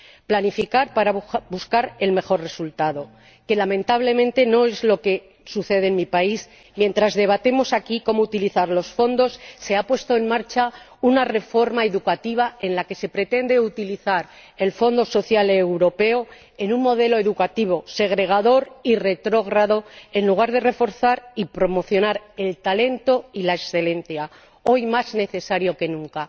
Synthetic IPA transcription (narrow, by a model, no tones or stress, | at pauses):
planifikaɾpaɾabuskaɾe̞lme̞xo̞rre̞sult̪aðo̞ | ke̞lamẽ̞nt̪aβ̞le̞mẽ̞nt̪e̞no̞e̞zlo̞ke̞ | suθe̞ðenmipais | mje̞nt̪ɾazðe̞β̞at̪e̞mo̞sakiko̞mout̪iliθaɾlo̞sfo̞nd̪o̞sːe̞apwe̞st̪o̞enmaɾt͡ʃa | unare̞fo̞ɾmae̞ðukat̪iβ̞ae̞nlake̞se̞pɾe̞t̪e̞nd̪e̞ut̪iliθaɾ | e̞lfo̞nd̪o̞so̞θjalewɾo̞pe̞o | enũŋmo̞ð̞e̞lo̞e̞ðukat̪iβ̞o̞se̞ɣ̞ɾe̞ɣ̞aðo̞ɾire̞t̪ɾo̞ɣ̞ɾaðo̞e̞nluɣ̞aɾðe̞re̞fo̞ɾθaɾipɾo̞mo̞θjo̞naɾe̞lt̪ale̞nt̪o̞ilaeksθele̞n̟θja | o̞jmazne̞θe̞saɾjo̞ke̞nũŋka